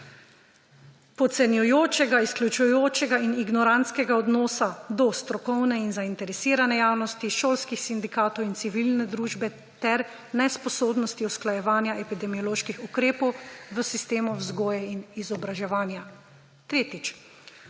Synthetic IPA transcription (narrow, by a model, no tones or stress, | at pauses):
pɔt̪sɛnjujoːt͡ʃɛɡaisklʲjut͡ʃujoːt͡ʃɛɡainiɡnɔɾant̪skɛɡaɔd̪nɔːsad̪ɔst̪ɾɔkɔwnɛinzaint̪ɛɾɛsiːɾanɛjaːwnɔst̪iʃoːlskixsind̪ikaːt̪ɔwint̪siʋilnɛd̪ɾuːʒbɛ | t̪ɛɾ | nɛspɔsoːbnɔst̪iɔsklajɛʋaːnjaʔɛpid̪ɛmijɔloːʃkixukɾeːpɔwʋəsist̪eːmɔwzɡoːjɛinizɔbɾaʒɛʋaːnja | t̪ɾeːt̪it͡ʃ